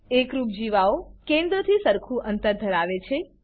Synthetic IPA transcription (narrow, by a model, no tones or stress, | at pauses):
ekɾup̚d͡ʒiʋaokẽnd̪ɾət̪ʰisəɾkʰũʔənt̪əɾd̪ʱəɾaʋet͡ʃʰe